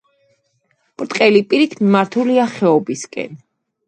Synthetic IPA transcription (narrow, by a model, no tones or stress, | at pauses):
pʼɾt̪ʼqʼɛlipʼiɾit̪ʰmmaɾt̪ʰuliaχɛɔbiskʼɛ̰n